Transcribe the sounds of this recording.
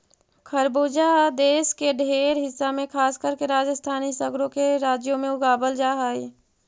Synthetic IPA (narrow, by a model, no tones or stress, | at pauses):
kʰəɾboːd͡ʒad̪eːskeɖʱeːɾɦɪsːamẽkʰaːskəɾkeɾaːd͡ʒəst̪ʰaːnisəɡɾõkeɾaːd͡ʒjomẽʊɡaːbəld͡ʒaːɦəi